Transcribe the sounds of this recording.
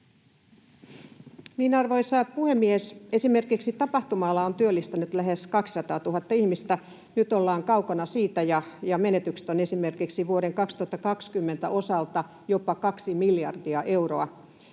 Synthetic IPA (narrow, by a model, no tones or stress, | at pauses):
niːnɑrʋoisɑːpuhemːiese̞simerkiksit̪ɑpɑht̪umɑlːɑont̪yølːist̪ænyt̪læɦeskɑksi̥sɑt̪ɑːt̪uɦɑt̪ːɑihmist̪æ | nyt̪olːɑːŋkɑukɑnɑsiːt̪æjɑjɑmenet̪ykse̥t̪onesimerkiksiʋuoɾeŋkɑkst̪uhɑt̪ːɑkɑkskymːent̪æʔo̞sɑlt̪ɑ | jopɑkɑksimiljɑ̰rdiɑʔe̞uroɑ